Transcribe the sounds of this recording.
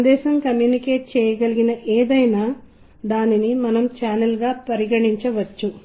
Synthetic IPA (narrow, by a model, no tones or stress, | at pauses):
nd̪ɛːʃɐmkɐmjuːnikeːʈ̚t͡ʃɛːjɐɡɐliɡinɐʔeːd̪ɐjnaː | d̪aːninimɐnɐmt͡ʃaːnɐlɡaːpɐɾiɡɐɽiɲt͡ʃɐʋɐt͡ʃːu